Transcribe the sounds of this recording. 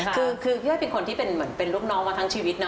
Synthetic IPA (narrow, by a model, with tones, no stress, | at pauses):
kʰɯː˧kʰɯː˧˦jɔ˥˩jpe˧nkʰo˧nt̪ʰiː˥˩pe˧nmɯ˩˦ənpe˧nluː˥˩k̚nɔː˦˥ŋmaː˧t̪ʰa˦˥ŋt͡ɕʰiː˧wi˦˥t̪̚na˦˥